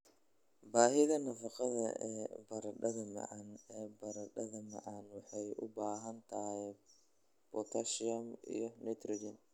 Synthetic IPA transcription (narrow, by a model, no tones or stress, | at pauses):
baːɦɪðɐnɐfɑqɑðɐ̰ɛːbɐɾɐɖɐðɐmɐ̰ʕɑnɛːbɐɾɐɖɐðɐmɐ̰ʕɑnwɑħɑjʔʊbaːɦɐnt̪ʰɐhhɛ | bɔt̪ʰɐʃiɐmḭjɞnɛt̪ɾɪd͡ʒɐn